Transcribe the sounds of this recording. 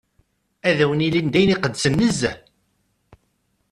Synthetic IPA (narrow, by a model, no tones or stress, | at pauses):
æðæwənilind̪æjniqəd̪ːsənːəzːæ